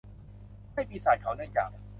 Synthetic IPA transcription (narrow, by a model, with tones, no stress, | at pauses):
a˥˩jpiː˧saː˨˩˦jkʰa˩˦wnɯ˥˩əŋt͡ɕa̰ː˨˩k̚